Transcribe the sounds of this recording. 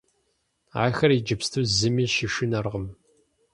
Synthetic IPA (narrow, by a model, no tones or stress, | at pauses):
a̰ːxɐrid͡ʒɨpstʰuːzɨmiːʃiʃɪnɐrʁəm